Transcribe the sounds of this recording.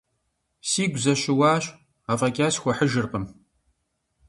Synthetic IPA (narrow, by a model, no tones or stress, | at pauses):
siːɡʷzɐɕɪwaːɕ | aːvɐkʲʼaːsxʷɔħəʒɨrqʼəm